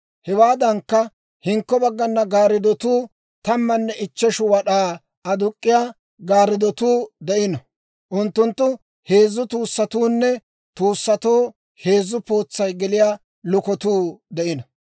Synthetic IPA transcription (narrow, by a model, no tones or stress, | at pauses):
hɛwaːd̪ɐŋkːɐ | hɪŋkːɔbɐɡːɐnːɐɡaːɾɪd̪ɔt̪uː | t̪ɐmːɐnːɛʔɪt͡ʃːɛʃʊwɐɗaː | ɐd̪ʊkʼːɪjaː | ɡaːɾɪd̪ɔt̪uːd̪ɛʔɪnɔ | ʔʊnt̪ːʊnt̪ːʊ | he̞ːzːʊt̪uːsːɐt̪uːnːɛ | t̪uːsːɐt̪oː | he̞ːzːʊpo̞ːt͡sːɐjɡɛlɪjaː | lʊkɔt̪uːd̪ɛʔɪnɔ